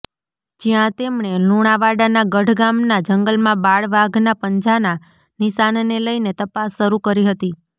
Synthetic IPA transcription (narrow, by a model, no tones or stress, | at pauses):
d͡ʒijãt̪emɳ̃eluɽ̃aʋaɽanaɡəɖʱɡamnad͡ʒəŋɡəlmãbaɭʋaɡnapəɲd͡ʒana | niʃanneləinet̪əpasːəɾukəɾiɦət̪i